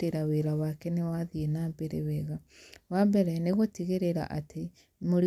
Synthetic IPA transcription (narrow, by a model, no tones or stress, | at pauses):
eɾaweɾawakɛnewaðienaːmbeɾḛwɛɣawambɛɾɛneɣotiɣeɾeɾa̰ʔatʰe | moɾi